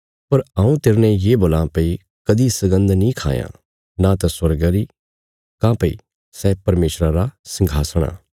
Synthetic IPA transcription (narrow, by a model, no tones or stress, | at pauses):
pɐɾãːũt̪eːɾnɛ̃jeboːlãpɐi | kɐd̪isɐɡə̃nd̪nĩkʰa̰ːjã̰ | nat̪ɛswɐɾɡəɾi | kãːpɐḭ | sɛpɐɾmeːsɾaɾasɐ̃ŋɡʱaːsəɽ̃a̰ː